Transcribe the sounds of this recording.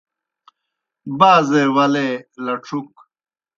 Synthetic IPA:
baːzeːwɐleːlɐʈ͡ʂʰuk

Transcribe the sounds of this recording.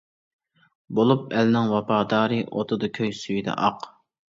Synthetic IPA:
bolˠup̚ɛlnɪŋwɑpʰɑːd̪ɑːɾɨʔo̰t̪ʰʊd̪ɑkʲʰøjsyjd̪ɛ̰ʔɑq

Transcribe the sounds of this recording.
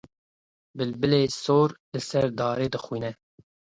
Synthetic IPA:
bɨlbɨleːsoːɾlɨsɛɾd̪ɑːɾeːd̪ɨxwiːnɛ

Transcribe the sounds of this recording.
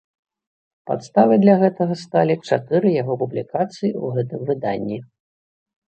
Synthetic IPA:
pa̰t̪st̪avɨd̪lʲaɣɛt̪ɐɣɐst̪alʲit͡ʂat̪ɨɾɨjaɣɔpublʲikat̪sɨjiuɣɛt̪ɨmvɨd̪a̰nʲːi

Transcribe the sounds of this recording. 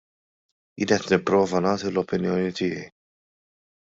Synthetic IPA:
jɪ̰ːnɛt̪nɪpːɾɔːvɐnɐːt̪ilɔpɪnjɔːnit̪ɪjɛj

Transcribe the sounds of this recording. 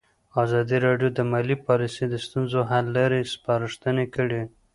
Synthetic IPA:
ɑzɑd̪iɾɑɖjod̪əmɑlipɑlised̪əst̪unzoɦalːaɾespɑɾɪʂt̪ənekəɽi

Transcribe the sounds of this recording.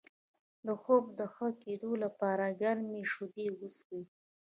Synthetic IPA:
d̪əxob̚d̪əxəkeɖolapɑɾaɡaɾmeʂud̪ewuski

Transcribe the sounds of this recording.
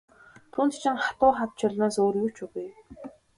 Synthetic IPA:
t̪ʰuːnt̪ʰt͡ɕʰɪ̆ŋχat̪ʊːχat̪t͡ɕʰɔɮnaːsoːrjut͡ɕʊɣuj

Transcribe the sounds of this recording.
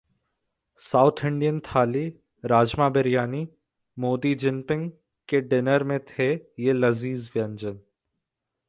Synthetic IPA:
saːʊt̪ʰɪ̃ɳɖijənt̪ʰaːli | ɾaːd͡ʒmaːbɪɾjaːni | moːd̪id͡ʒɪ̃mpɪ̃ŋɡ | keɖɪnəɾmẽt̪ʰejelɐziːzʋjɐ̃ɲd͡ʒən

